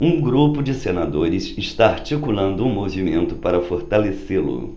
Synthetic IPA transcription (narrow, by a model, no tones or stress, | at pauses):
ũɡɾupʊd͡ʒɪsenad̪oɾɪsɪʃt̪aaɾt͡ʃikulɐ̃nd̪ʊũmovimẽnt̪ʊpaɾɐfoɾt̪aleselʊ̰